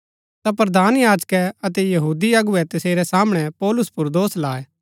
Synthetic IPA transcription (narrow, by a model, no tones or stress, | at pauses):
t̪apɾɐd̪aːnjaːd͡ʒkɛɐt̪̬ɛjɐɦuːd̪iɐɡʊɛt̪ɐseːɾɛsaːməɽ̃ɛpɔːlʊspʊɾd̪oːslaːɛ